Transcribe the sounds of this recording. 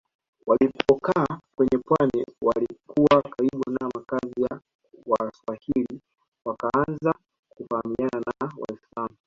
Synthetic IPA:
walipɔkaːkwɛɲɛpwaniwalikuwakaiɓanamakazija | waswahili | wakaanza | kufahamiananawa̰islamu

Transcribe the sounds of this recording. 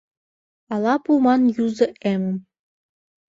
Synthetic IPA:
ɑlˠɑpumɑnjuzɤ̆ʔemɘ̆m

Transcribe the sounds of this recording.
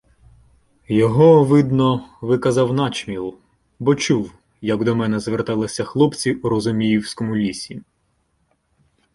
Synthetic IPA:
jɔɦɔʋɪd̪nɔʋɪkɐzɑwnɑt͡ʃmʲilˠ | bɔt͡ʃuw | jɐɡd̪ɔmɛnɛzʋert̪ɑlˠɪsʲɐxlˠɔpt͡sʲiuɾɔzʊmʲijiwsʲkɔmʊlʲisʲi

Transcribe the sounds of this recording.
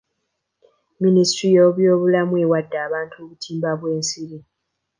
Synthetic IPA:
ministɾijoːβjo̞ːβulamue̞wadːaːβaːntʰuoβutʰiːmbaβweːnsiɾi

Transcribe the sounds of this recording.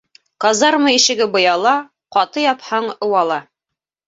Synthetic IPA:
qɑzɑɾmɤiʃɘ̆ɡɘbɤ̆jɑlˠɑ | qɑt̪ɤjɑphɑɴɤ̆wɑlˠɑ

